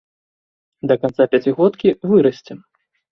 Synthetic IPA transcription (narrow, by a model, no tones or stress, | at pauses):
d̪ɐkant̪sapʲat͡sʲiɣɔt̪kʲivɨɾɐsʲt͡sʲɛm